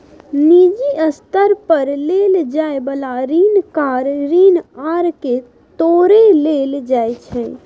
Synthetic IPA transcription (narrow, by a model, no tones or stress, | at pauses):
nid͡ʒiəst̪əɾpəɾleld͡ʒaebəlaɾiːnkaɾɾiːnaɾke | t̪oɾeleld͡ʒajt͡ʃʰɛ